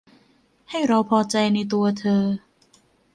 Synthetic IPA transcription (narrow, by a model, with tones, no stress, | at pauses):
ha˥˩jɾa˧wpʰɔː˧t͡ɕa˧jna˧jt̪u˧ɐt̪ʰɤː˧